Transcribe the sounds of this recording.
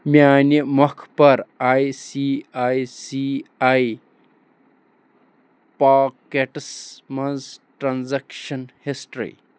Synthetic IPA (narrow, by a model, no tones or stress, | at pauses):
mʲaːnimɐkʰpɐɾaːjsiaːjsiaj | paːkeʈsmɐnzʈɾanzɐkʃɐnhisʈɾḭ